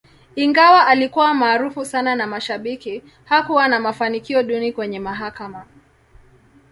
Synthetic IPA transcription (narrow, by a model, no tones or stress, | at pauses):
iŋɡawaʔalikuwamaːɾufusananamaʃaɓiki | hakuwanamafanikiɔɗunikwɛɲɛmaɦakama